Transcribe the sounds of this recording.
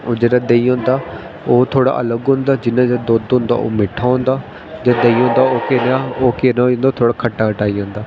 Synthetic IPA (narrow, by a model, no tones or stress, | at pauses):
oːd͡ʒeːɽaːd̪eiõːnd̪aː | oːt̪ʰoːɽa̰ːʔələɡɦʊ̃nd̪aːd͡ʒɪnãːd͡ʒaːd̪oːd̪ɦʊ̃nd̪a̰ːʔo̰ːmɪʈʰːaːɦʊ̃ːnd̪aː | d͡ʒad̪eiːõːnd̪aːoːkeːnaːoːkeːnaːõnd̪at̪ʰoːɽaːkʰəʈːaːkʰəʈaːiːõːnd̪aː